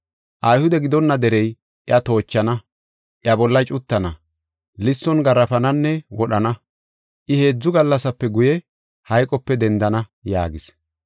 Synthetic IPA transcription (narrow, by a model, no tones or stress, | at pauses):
ʔɐjhʊd̪ɛɡɪd̪ɔnːɐd̪ɛɾɛj | ʔɪɐt̪o̞ːt͡ʃːɐnɐ | ʔɪɐbɔlːɐt͡ʃʼʊt̪ːɐnɐ | lɪsːɔnɡɐɾːɐfɐnɐnːɛwɔɗɐnɐ | ʔɪhe̞ːd͡zːʊɡɐlːɐsɐpːɛɡʊjɛ | hɐjkʼɔpːɛd̪ɛnd̪ɐnɐja̰ːɡɪs